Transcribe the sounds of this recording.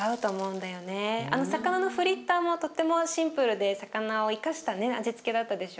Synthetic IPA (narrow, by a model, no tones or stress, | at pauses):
aɯ̟t̪o̞ːmo̞ɯ̃nd̪ajo̞ne̞a̰no̞sakanano̞ɸɯ̟ɾʲit̪ːaːmo̞t̪o̞t̪ːe̞mo̞ɕĩmpɯ̟ɾɯ̟d̪e̞sakanao̞ikaɕi̥t̪ane̞a̰ʑit͡sɨ̥ke̞d̪at̪ːad̪e̞ɕo̞